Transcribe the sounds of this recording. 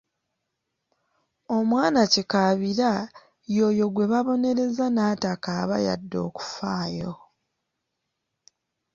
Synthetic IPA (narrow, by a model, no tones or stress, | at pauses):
o̞mwaːnacikaβiɾa | jo̞ːjo̞ɡwe̞βaβo̞ne̞ɾe̞zanaːtakaːβaja̰dːo̞̰ːku̥faːjo